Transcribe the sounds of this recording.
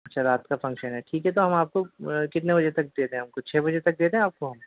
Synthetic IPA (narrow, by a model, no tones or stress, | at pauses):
ɐtːʃʰaɾaːt̪kafɐ̃ŋkʃənɦɛʈʰiːkɦɛt̪oɦɐmaːp̚kokɪt̪nebɐd͡ʒet̪ɐk̚d̪eːt̪eɛ̃ɦɐmkot͡ʃʰɛːbɐd͡ʒet̪ɐk̚d̪eːt̪eɦɛ̃aːp̚koɦɐ̃m